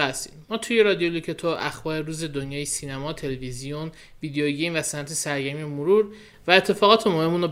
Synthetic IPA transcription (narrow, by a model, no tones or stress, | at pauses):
æst̪i̥̰d̪mɒːt̪ʰuje̞ɾɒd̪ijolucʰet̪ʰoʔæxbɒːɾeɾuːze̞d̪onjɒːjisinæmɒːt̪ʰe̞levizijon | viːd̪ejoɟejmvæsænæt̪ʰesæɾɟæmiemoɾuɾ | væet̪ʰːe̞fɒːɣɒːt̪ʰemohemuno